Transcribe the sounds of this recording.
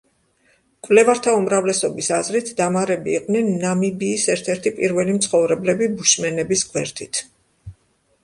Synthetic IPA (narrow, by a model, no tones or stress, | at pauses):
kʼvlɛvaɾt̪ʰaumɾavlɛsɔbisazɾit̪ʰd̪amaɾɛbiːqʼvnɛnːamibiːsɛɾt̪ʰɛɾt̪ʰipʼiɾvɛlimt̪sʰχɔvɾɛblɛbibuʃmɛnɛbisɡʼʰwɛɾt̪ʼit̪ʰ